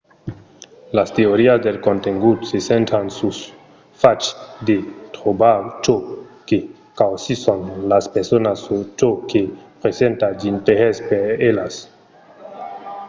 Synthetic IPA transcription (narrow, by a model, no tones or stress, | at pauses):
lasteoɾiasdelkonteŋɡutsesentansus | fat͡ʃdetɾobat͡ʃoke | kawsisonlaspeɾsonasut͡ʃokepɾesentad͡ʒintehespeɾelas